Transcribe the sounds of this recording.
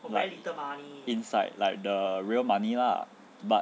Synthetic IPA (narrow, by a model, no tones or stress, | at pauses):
laəmaniĩnsaɪdla̰ɪk̚dəɹiəlmãnila̰ | ba